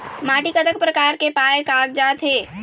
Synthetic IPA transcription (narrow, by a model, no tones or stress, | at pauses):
maːʈikət̪ək̚pɾɐkaːɾkepaːjekaːɡd͡ʒaːt̪ɦeː